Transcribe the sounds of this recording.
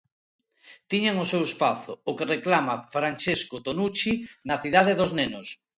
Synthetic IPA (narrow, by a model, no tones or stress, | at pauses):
t̪iɲaŋʊsewespaθʊʊkereklamafɾant͡ʃeskot̪onut͡ʃinɐθiðaðeðʊznenʊs